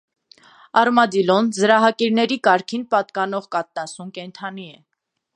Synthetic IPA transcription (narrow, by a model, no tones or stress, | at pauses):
ɑrmɑd̪ilɔnzəɾɑɦɑkiɾnɛɾikɑɾkʰinpɑt̪̚kɑnɔʁkɑt̪̚ːɑsumkɛnt̪ʰɑniɛ